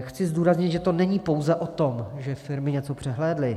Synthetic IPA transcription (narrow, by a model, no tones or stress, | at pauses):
xt͡sɪzduːɾazɲɪt̪ʒɛt̪o̞nɛɲiːpo̞wzɛʔot̪o̞mʒɛfɪɾmɪɲɛt͡so̞pr̝̥ɛɦlɛːdlɪ